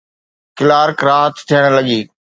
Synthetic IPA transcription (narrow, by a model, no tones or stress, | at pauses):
kɪlaːɾkɾaːɦət̪t̪ʰijəɽ̃lɐɠiː